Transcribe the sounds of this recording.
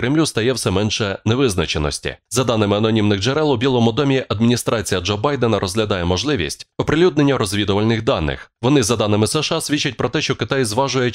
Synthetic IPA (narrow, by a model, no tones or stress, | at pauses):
kɾɪmlʲust̪ɐjɛwsɛmɛnʃɛneʋɪznɐt͡ʃenɔ̰sʲtʲḭzɐd̪ɑnɪmɪɐnɔnʲimnɪɣd͡ʒeɾɛlˠʊbʲilˠɔmʊd̪ɔmʲiʔɐd̪mʲinʲist̪ɾʔɑt͡sʲijɐd͡ʒɔbɑjd̪ɛnɐɾʔɔzɦlʲɐd̪ɑjɛmɔʒlˠɪʋʲḭsʲtʲɔpɾelʲud̪nenʲːɐɾɔzʲʋʲid̪ʊʋɐlʲnɪxd̪ɑnːɪ̰xʋɔnɪzɐd̪ɑnɪmɪsɛʃasʲʋʲit͡ʃːɐtʲpɾɔt̪ɛʃt͡ʃɔkɪt̪ajzʋɑʒʊjɛ